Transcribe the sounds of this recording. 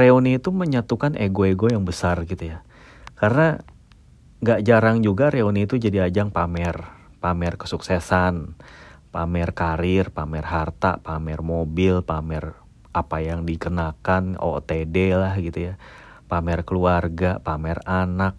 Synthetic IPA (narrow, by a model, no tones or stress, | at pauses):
reoniːt̪uməɲat̪ukanʔeɡoeɡojaŋbəsarɡit̪uja | karəna | ŋɡaʔd͡ʒaɾaŋd͡ʒuɡaɾeoniːt̪ud͡ʒadiad͡ʒaŋpamɛr | pamɛrkə̥suksɛsanpamɛrkaɾɪrpamɛrɦart̪a̰pamɛrmobɪlpamɛr | ʔapajaŋdikənakano̰t̪edelahɡit̪uja | pamɛrkəluarɡapamɛranak̚